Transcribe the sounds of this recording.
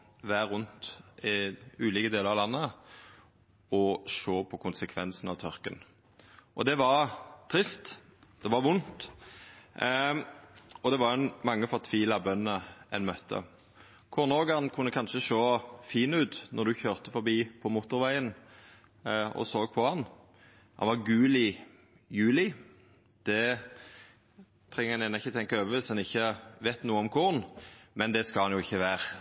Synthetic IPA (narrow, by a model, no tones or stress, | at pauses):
ʋæːɾʉnt̪ɪʉːliːkəd̪eːləɾɑʋlɑnːə | ɔʂoːpʰɔkʰʊnsəkʰʋɛnsnɑʋt̪ʰɔʁkən | ʔɔd̪ɛʋɑʁt̪ʰɾɪst̪ | d̪ɛʋɑʁʋʊnt̪ | ɔd̪ɛʋɑɾɛnmɑŋːəfɔʁt̪ʰʋiːlɑbœnːəɛnmœt̪ʰːə̰ | kʰʊʁnoːɡhɑnkʰʉnːəkʰɑnʃəʃoːfiːnʉːt̪nʔɔʁd̪ʉçøːʁt̪əfɔɾbiːpʰɔmʊt̪ːʊɾʋæɪən | ɔ̰soːɡ̚pʰɔhɑn | hɑ̰nʋɑɾɡʉːlɪ | jʉːlɪ | d̪̥ɛ | t̪ʰʁɛŋːəɛnɛnəɪçːət̪ʰɛŋkɑøːʋʋɪsɛnɪçːəʋɛt̪nuːəɔmkʰʊʁnmɛnd̪ɛskɑlhɑnjʊɪçːəʋæːʁ